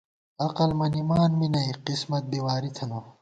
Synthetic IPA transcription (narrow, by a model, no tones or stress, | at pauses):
ɐqɐlmɐnimaːnminɐiqismɐt̪̚biwaːɾit̪ʰɐno